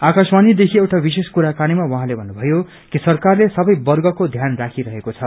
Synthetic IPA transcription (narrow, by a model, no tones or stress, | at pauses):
akʌsmanid̪ekʰiewʈabiseskuɾakañimawʌɦãlebʱʌnːubʱʌjo | kisʌrkarlesʌbʌjbʌrɡʌkod̪ʱjanrakʰiɾʌɦekot͡sʰʌ